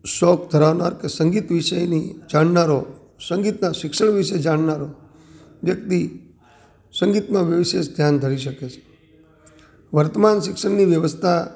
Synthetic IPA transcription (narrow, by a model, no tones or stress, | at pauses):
ʃɔk̚d̪ʱəɾaʋna̰ɾkesəŋɡit̪ʋiʃəjnid͡ʒaɳnaɾo | səŋɡit̪naʃɪkʃəɳʋɪʃəd͡ʒaɳnaɾo | ʋjək̚t̪i | səŋɡit̪mãʋjəʋiʃeʃd̪ʱjand̪ʱəɾiʃəket͡ʃʰe̥ | ʋəɾt̪əmanʃɪkʃəɳniʋjəʋəst̪ʰa